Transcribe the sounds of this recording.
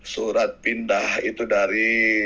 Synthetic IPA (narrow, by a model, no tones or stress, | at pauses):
suɾat̪̚pindahit̪udaɾi